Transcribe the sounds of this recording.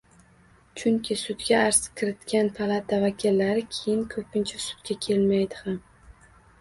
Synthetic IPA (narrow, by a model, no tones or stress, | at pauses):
t͡ʃʰʊŋkʲʰɪsʊd̪ɡʲaaɾskʰʲɪɾɪt̪kʲanpʰalˠat̪ʰavakʲʰɪlːaɾɪkʲʰejɪnkʰɵpʰɪnt͡ʃʰasʊ̥d̪ɡʲakʲʰe̞lmajd̪ɪham